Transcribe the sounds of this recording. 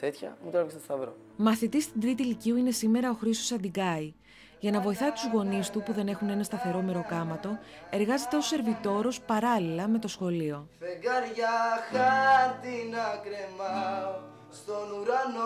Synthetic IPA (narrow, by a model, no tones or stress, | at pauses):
t̪et̪çɐ̰mut̪ɾɐvkseto̥st̪ɐvɾo̰ | mɐθit̪ist̪ind̪ɾit̪iliciuine̞sime̞ɾɐo̞xɾist̪o̞sɐd̪iɡɐj | ʝɐnɐvo̞iθɐt̪uzɣo̞nist̪upuðe̞ne̞xune̞nɐst̪ɐθe̞ɾo̞me̞ɾo̞kɐmɐt̪o̞e̞ɾɣɐze̞t̪e̞o̞se̞ɾvit̪o̞ɾo̞spɐɾɐlilɐme̞t̪o̞sxo̞lio̞feɡɐɾʝɐxɐt̪inɐkɾemɐ | st̪onuɾɐn